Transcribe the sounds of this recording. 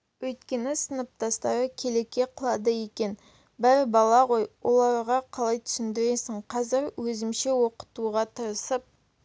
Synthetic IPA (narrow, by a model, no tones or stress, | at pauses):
wɵjt̪kʲe̞nɪsənəp̚t̪ɑst̪ɑɾəkʲʰe̞le̞kʲːe̞qʰəlˠɑd̪əje̞kʲe̞n | bæɾɪbɑlˠɑʁo̞jwo̞lˠɑɾʁɑqʰɑlˠɑjt̪ʰʏ̥sɪnd̪ɪɾe̞sɪɴqʰɑzɪɾwɵzɪmʃe̞wo̞qə̥t̪uʁɑt̪ʰəɾəsəp̚